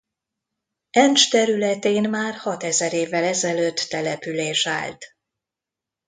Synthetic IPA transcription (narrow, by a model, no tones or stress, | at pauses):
ɛnt͡ʃt̪ɛɾylɛt̪eːnmaːrhɒt̪ɛzɛɾeːvːɛlɛzɛløːt̪ːɛlɛpyleːʃa̰ːlt̪